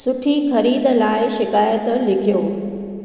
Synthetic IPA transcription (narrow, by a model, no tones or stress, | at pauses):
sʊʈʰixɐɾiːd̪laːɪʃɪkaːjət̪lɪkʰijoː